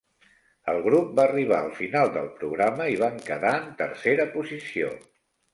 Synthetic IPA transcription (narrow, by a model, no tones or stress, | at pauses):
əlˠɣɾup̚baːriβ̞a̰əlˠfinalˠd̪əlˠpɾuɣɾaməiβ̞aŋkəðaənt̪əɾseɾəpuzisio̰